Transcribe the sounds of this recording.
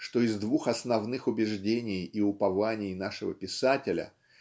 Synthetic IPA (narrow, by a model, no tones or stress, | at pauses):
ʂt̪o̞ɪzd̪vuxɐsnɐvnɨxʊbʲɪʐdʲenʲɪjɪʊpɐvanʲɪjnaʂɨvə̰pʲɪsatʲɪlʲə̰